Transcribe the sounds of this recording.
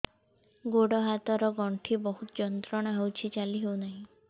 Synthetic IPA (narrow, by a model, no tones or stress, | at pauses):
ɡoɽɔɦat̪ɔɾɔɡɔɳʈʰibɔɦut̪ɔd͡ʒɔnt̪ɾɔɽ̃ɔɦewt͡ʃʰit͡ʃaliɦewnaɦĩ